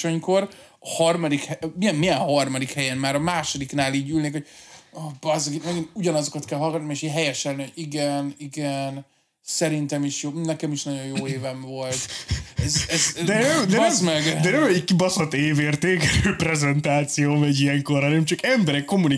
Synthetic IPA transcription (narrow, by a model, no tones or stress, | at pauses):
o̞ɲko̞r | hɒrmɒd̪ikhɛmiɛmmijɛnhɒrmɒd̪ikhɛjɛnmaːɾɒmaːʃo̞d̪iknaːliːɟyːlneːkho̞ɟ̚oːbɒzɡimɛɡinuɟɒnɒzo̞kɒt̪kɛlɦɒlɡɒt̪nimeːʃiːɦɛjɛʃɛlniɦoɟiɡɛniɡɛn | sɛɾint̪ɛmiʃjoːnɛkɛmiʃnɒɟo̞jjoːeːvɛɱvo̞lt̪ɛzɛzd̪ɛnɛmd̪ɛɛmzmɛɡd̪ɛnɛmɛikkibɒsot̪eːveːrt̪eːkɛɾøːprɛzɛnt̪aːt̪sijoːmɛɟiɛŋkorhɒnɛmt͡ʃɒkɛmbɛɾɛkːo̞muni